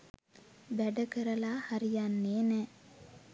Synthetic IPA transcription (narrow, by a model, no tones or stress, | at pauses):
bæɖɐkəɾɐlaːhaɾijanːeːnɛ